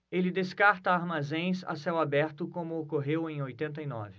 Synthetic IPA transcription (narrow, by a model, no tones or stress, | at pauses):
elɪd̪eskaɾt̪ɐaɾmazẽj̃sa̰sɛwabɛɾt̪ʊkõmʊokoɦewẽj̃ojt̪ẽnt̪̬ɐinɔ̰vɪ